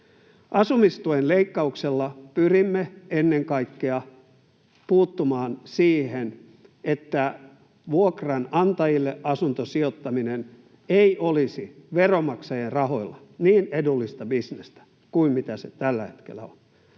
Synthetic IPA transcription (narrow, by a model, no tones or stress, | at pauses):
ʔɑsumist̪uenleikːɑukselːɑpyrimːeenːeŋkɑikːeɑ | puːt̪ːumɑːnsiːhen | et̪ːæ | ʋuokrɑnɑnt̪ɑjilːeʔɑsunt̪osiot̪ːɑminen | eiolisiʋeromɑksɑjerrɑho̞ilːɑniːnedulːist̪ɑbisnest̪æ̥ | kuimmit̪æsḛt̪ælːæhe̥t̪kḛlːˑæ̰on